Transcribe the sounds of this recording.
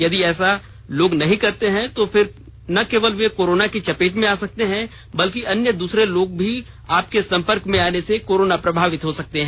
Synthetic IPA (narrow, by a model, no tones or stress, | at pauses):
jɐd̪iɛːsa | loːɡnɐɦĩkɐɾt̪eɦɛ̃t̪ofʰɪɾ | nɐkeːʋəlʋekoːɾoːnakit͡ʃɐpeːʈmẽaːsɐk̚t̪eɦɛ̃ | bɐlkiɐnjəd̪uːsɾeloːɡ̚bʱi | aːp̚kesɐ̃mpəɾkmẽaːnesekoːɾoːnapɾɐbʱaːʋɪt̪ɦosɐk̚t̪eɦɛ̃ː